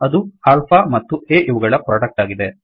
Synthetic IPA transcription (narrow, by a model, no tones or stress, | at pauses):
ɐd̪uaːlpʰaːmɐt̪ːueːʔiʋuɡɐɭɐpɾoːɖɐk̚ʈaːɡid̪e̞